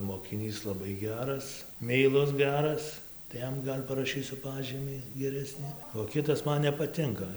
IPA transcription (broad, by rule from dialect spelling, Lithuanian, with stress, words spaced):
moːkʲɪˈnʲiːs lˠɐˈbɐɪ ˈɡʲæːrɐs mʲɛɪˈlˠʊs ˈɡʲæːrɐs tɐɪ ˈjɛm ˈɡɐlʲ pɐrɐˈʃʲiːsʲʊ ˈpɑːʒʲiːmʲiː ɡʲɛˈrʲæːsʲnʲɪ oː ˈkʲɪtɐs ˈmɐn nʲɛpɐˈtʲɪŋkɐ